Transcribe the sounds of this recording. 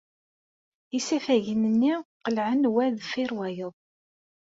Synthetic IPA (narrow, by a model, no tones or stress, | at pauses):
isæfæʝənənːiqəlʕənwæðfɪɾwæjəðˤ